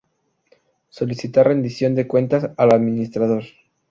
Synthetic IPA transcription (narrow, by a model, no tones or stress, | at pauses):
so̞lisit̪are̞nd̪isjo̞nd̪e̞kwe̞nt̪asalaðminist̪ɾaðo̞ɾ